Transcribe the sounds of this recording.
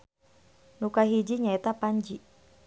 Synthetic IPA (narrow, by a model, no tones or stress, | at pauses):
nukaɦid͡ʒiɲaɛt̪apaɲd͡ʒi